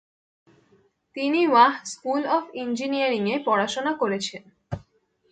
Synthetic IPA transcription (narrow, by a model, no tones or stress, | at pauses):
t̪iniwaɦskulɔbind͡ʑinijaɾiŋepɔɽaʃonakoɾet͡ɕʰen